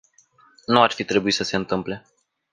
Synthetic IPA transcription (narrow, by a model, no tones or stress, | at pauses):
nuarfit̪ɾe̞buisəse̞ɨnt̪ɨmple̞